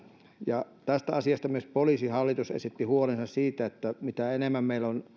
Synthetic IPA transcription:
jɑ | t̪æst̪æɑsiɑst̪ɑmyøspoliˑsihɑlːit̪usḛsit̪ːihuolensɑssiːt̪æet̪ːæmit̪æenemːæmmeilon

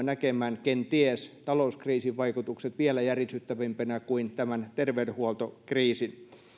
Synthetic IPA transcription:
nækemæːnkent̪iest̪ɑlouskriːsiʋʋɑikut̪ukset̪ʋielæjærjisyt̪ːæʋimpenækuint̪æmænt̪erʋeydehuolt̪okriːsin

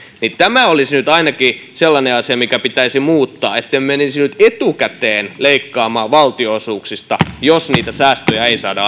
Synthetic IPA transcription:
nit̪æmæolisnyt̪ɑinɑkiselːɑneɑsiɑmikæpit̪æisimuːt̪ːɑːet̪ːemmeninsinyt̪et̪ukæt̪eːnleikːɑːmɑːʋɑlt̪iosuːksist̪ɑjosniːt̪æsæːst̪øjɑeisɑ̰ːdɑ

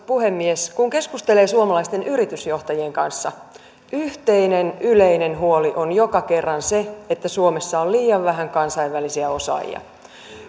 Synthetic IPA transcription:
puhemːieskuŋke̞skust̪eleːsuomɑlɑist̪enyɾit̪ysjo̞ht̪ɑjieŋkɑnsːɑ | ʔyht̪einenyleinenɦuoliʔonjokɑke̞rːɑnseet̪ːæsuomesːɑolliːjɑʋʋæɦæŋkɑnsɑiʋʋælisiæo̞sɑ̰j̰ɑ̰

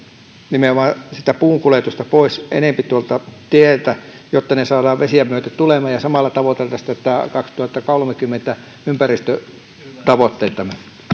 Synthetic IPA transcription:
nimeomɑsit̪æpuːŋkulet̪ust̪ɑpoisḛnempit̪uolt̪ɑt̪ielt̪æjot̪ːɑnesɑːdɑːʋʋesiæmmyøt̪æt̪ulemˑɑjɑsɑmɑlːɑt̪ɑʋot̪elt̪ːɑst̪ːæt̪ːækɑkst̪uhɑt̪ːɑkolmekymːent̪æ | ympærist̪ø | t̪ɑʋot̪ːeit̪ːɑmen

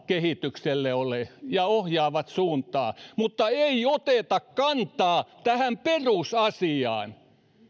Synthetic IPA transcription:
kehit̪ykselːeolejɑohjɑːʋɑt̪suːnt̪ɑ̰ːmut̪ːɑeiot̪et̪ɑkkɑnt̪ɑːt̪æhæmperusɑsiɑ̰ːn

